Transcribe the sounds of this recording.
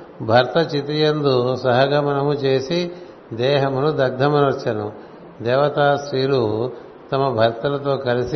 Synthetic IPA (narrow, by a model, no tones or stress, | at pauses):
bʱɐɾt̪ɐt͡ʃit̪ijɐnd̪usɐɦɐɡaːmɐnɐmut͡ʃe̞ːsi | d̪ɛːɦɐmunud̪ɐɡ̚d̪ʱɐmɐnɐɾt͡ʃɐnu | d̪ɛːʋɐt̪aːsɾiːlu | t̪ɐmɐbʱɐɾt̪ɐlɐt̪o̞ːkɐlisi